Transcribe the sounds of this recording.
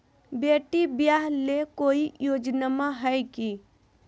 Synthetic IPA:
beʈibjaɦlekoijoːd͡ʒnamãɦəjki

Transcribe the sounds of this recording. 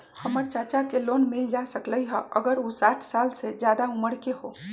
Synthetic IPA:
həməɾt͡ʃat͡ʃakelonmild͡ʒasəkləjɦə̰ʔəɡəɾusaʈʰsalsed͡ʒjad̪auməɽkeɦo

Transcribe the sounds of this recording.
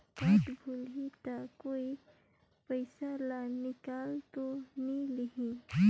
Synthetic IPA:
kaʈ̪bʱulɦit̪akoi | pəjsalanɪkaːlt̪oniliɦĩ

